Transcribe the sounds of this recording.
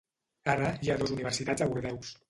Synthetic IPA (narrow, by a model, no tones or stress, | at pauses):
aɾajaðozuniβ̞ɛɾsit̪ad͡zaβuɾðɛws